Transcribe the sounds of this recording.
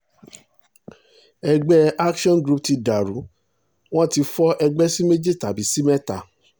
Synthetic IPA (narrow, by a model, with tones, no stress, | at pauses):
ɛ˧ɡ͡bɛ˦a˦kʃɔ̃˦nɡɾu˦p̚ti˧da˨ɾu˨˦ | w̃ɔ̃˦ti˧fɔ˦ʔɛ˧ɡ͡bɛ˦si˦me˦d͡ʒe˦˨ta˨bi˨˦si˦mɛ˦ta˨